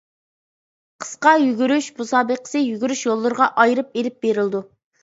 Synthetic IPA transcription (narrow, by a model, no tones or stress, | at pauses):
qʰə̥sqɑjyɡʲyɾyʃbusɑːbəqʰə̥sɨjyɡʲyɾyʃjolˠːɨɾʁɑʔɑjɾɨp̚elɪp̚beɾɪld̪u